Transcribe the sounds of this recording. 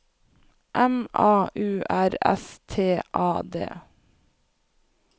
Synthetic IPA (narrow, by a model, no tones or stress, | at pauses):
ʔɛmɑːʔʉːʔæɾɛ̰st̪ʰeːʔɑːd̪ḛː